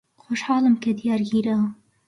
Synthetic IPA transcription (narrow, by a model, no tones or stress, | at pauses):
xoʃħɑːlɨmkɛd̪ijɑːɾɡiːɾɑ